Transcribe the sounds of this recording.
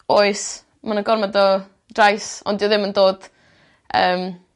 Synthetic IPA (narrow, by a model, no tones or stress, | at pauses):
oːɨs | manəɡɔrmadɔ | d̥rajsɔ̰ndiɔðɪməndoːd̥ | əːm